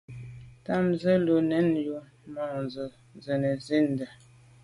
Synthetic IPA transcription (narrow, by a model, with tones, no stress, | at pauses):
ta˦mzə˦lo˨nɛ˨˦njo˨ | mɔ˨nzə˨ | nzə˨nə˨zi˦n˨də˨